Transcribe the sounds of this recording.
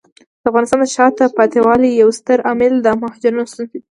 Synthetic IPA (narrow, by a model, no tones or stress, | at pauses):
d̪̥əafɣɑnɪst̪ɑnd̪əʃɑt̪apɑt̪ewɑlijawst̪əɾɑmɪld̪əmahɑd͡ʒaɾunost̪unt̪id̪i